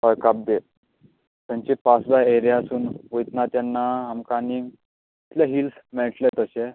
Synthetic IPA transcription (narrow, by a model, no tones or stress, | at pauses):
əɾkap̚d̪e | t̪aɲt͡ɕepasd̪aeɾjaəsuːnʋojt̪nat̪janːaɦamkaniŋ | it̪laɦilsmɛɭʈlet̪əɕe